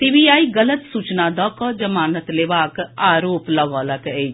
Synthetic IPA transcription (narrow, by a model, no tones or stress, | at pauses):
t̪iːbiːaːiːɡələt̪suːt͡ʃnaːd̪ɔːkɔ̃ːd͡ʒəmaːnət̪leːʋaːkaːɾoːplɐʋaːləked͡ʒ